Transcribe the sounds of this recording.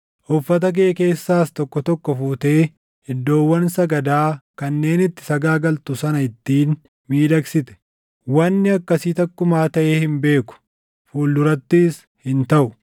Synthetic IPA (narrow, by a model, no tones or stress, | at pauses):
ʔɔfːɐt̪̬ɐk̬eːke̞ːsːaːst̪ɔkːɔt̪ɔkːɔfuːt̪e̞ː | ɪd̪ːo̞ːwːɐnsɐɡɐd̪aːkɐnːe̞ːnɪt̪ːɪ̥sɐɡaːɡɐlt̪ʊsɐnɐɪt̪ːiːn | miːd̪ɐksɪt̪ɛ̥ | wɐnːɪɐkːɐsiːt̪ɐkːʊmaːt̪ɐʔeːhɪmbe̞ːkʊ̥ | fuːlːʊɾɐt̪ːiːs | hɪnt̪ɐʔʊ